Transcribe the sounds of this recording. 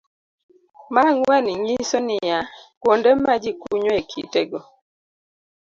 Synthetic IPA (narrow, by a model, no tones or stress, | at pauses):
maŋwɛniɲisonɪjakwondɛmad͡ʒikuɲoekʰḭteɡɔ